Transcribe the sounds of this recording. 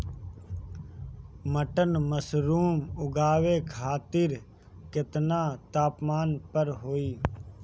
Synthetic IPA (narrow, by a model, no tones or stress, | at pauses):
məʈənməsɾuːmʊɡaːʋeːkʰaːt̪ɪɾ | kɪt̪naːt̪aːpmaːnpəɾɦoːiː